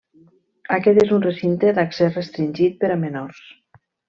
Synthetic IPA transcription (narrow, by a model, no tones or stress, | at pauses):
akɛt̪ezunresint̪eðaksesrest̪ɾinʲʒit̪̚pəɾamenoɾs